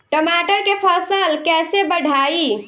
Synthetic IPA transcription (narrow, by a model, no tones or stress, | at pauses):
ʈəmaʈəɾkepʰəsəlkɛːsebəɽʱaːi